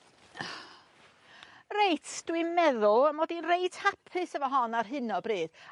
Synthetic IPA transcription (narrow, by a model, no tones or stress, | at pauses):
rejtʰd̥wimɛðʊlˠəmɔdinreɨtʰhapʰɨsəvɔɦɔnarɦɨnɔbriːd̥